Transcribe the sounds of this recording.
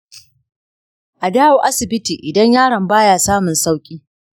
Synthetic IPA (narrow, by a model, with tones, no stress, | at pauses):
ʔa˨daː˦woː˨ʔa˦sɪ˨bɪ˦tiː˨ʔɪ˨dɐ˦ɲjaː˦ɽɐ˨mbaː˦jaː˨saː˦mʊ˨nsa˦wkʲʼiː˦